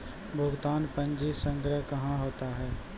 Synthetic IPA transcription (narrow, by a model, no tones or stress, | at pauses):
bʱʊɡt̪aːnpə̃nd͡ʒisə̃ŋɡɾəɦkɐɦãɦoːt̪aɦɛː